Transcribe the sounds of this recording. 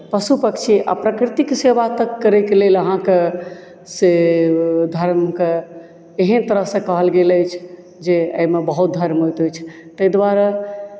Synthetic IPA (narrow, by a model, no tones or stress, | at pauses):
pəsupəkt͡ʃʰiʔa̰pɾəkɾit̪ikseʋat̪əkːəɾɛkeleləɦãke | se | d̪ʱəɾmke | eɦənt̪əɾəɦsə̃kəɦəlɡeləjt͡ʃʰ | d͡ʒeə̰jmebəɦut̪̚d̪ʱəɾmɦojt̪ojt͡ʃʰt̪əjd̪waɾə